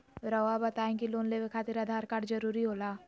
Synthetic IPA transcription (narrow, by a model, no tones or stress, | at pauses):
ɾɐʋabɐt̪aːẽkiloːnleʋekʰaːt̪iɾaːd̪ʱaːɾkaːɽd͡ʒɐɾuːɾiɦoːlaː